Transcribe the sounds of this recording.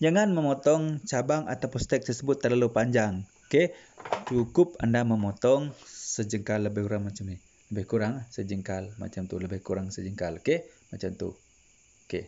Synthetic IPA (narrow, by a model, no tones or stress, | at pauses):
d͡ʒaŋanməmɔt̪ɔŋt͡ʃabaŋa̰t̪apust̪ɛk̚t̪ərsəbʊt̪ːərlalupaɲd͡ʒaŋ | ket͡ʃukʊp̚andaməmɔt̪ɔŋsəd͡ʒəŋkalːəbɪhkuɾaŋmat͡ʃəmni | ləbɪhkuɾaŋsəd͡ʒəŋkalma̰t͡ʃamt̪uləbɪhkuɾaŋsəd͡ʒəŋkalkemat͡ʃamt̪ṵ | ke